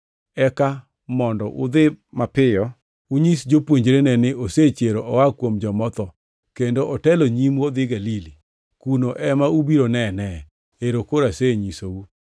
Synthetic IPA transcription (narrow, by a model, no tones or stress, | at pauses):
ɛka | mɔndɔʔʊ̰d̪ɪmapɪjɔ | uɲisd͡ʒopwoɲd͡ʒɾenɛnɪʔoset͡ʃeɾoʔɔwakwomd͡ʒɔmɔt̪ɔ | kendoʔɔtɛloɲimwod̪ɪɡalili | kunoʔɛmaubiɾonɛnɛ | eɾokoɾaseɲisou